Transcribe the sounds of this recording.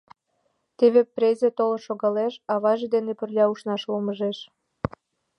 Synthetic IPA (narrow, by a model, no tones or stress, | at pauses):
t̪eβeprezʲet̪oloʃoɣɑleʃɑβɑʒed̪enepərlʲɑuʃnɑʃloməʒeʃ